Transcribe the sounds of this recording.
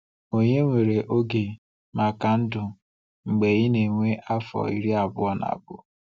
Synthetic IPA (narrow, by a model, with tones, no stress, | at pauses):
o˦ɲe˦ŋʷe˨ɾe˨ʔo˦ɡe˨ | ma˨ka˨n̩˦dʊ˨ | ŋ͡m̩˨ɡ͡be˨jɪ˦ne˨ŋʷe˦ʔa˦fɔ̰˨ḭ˦ɾi˦a˨bʊ˦ɔ˦na̰˨bʊ̰˨